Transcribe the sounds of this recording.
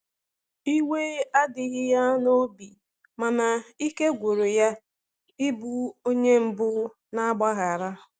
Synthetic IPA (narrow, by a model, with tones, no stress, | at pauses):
i˦we˦a˦dɪ˨ɣɪ˦ja˦no˦bi˨ | ma˨na˨i˦ke˦ɡʷo˨ɾo˨ja˦ | ɪ˦bu˦o˦ɲe˦m̩˨bʊ˦ | na˦a˦ɡ͡ba˦ɣa˨ɾa˦